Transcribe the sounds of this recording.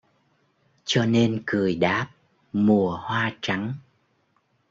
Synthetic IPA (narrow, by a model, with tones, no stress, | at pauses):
t͡ɕɔ˧ne˧nkɨ˨˩əjɗaː˦˥p̚ | mu˨˩əhwaː˧t͡ɕa˨˦ŋ